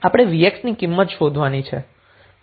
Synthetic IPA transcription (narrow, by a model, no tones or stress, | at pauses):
apɽ̃eʋieksnikimːət̪ʃod̪ʱʋanit͡ʃʰḛ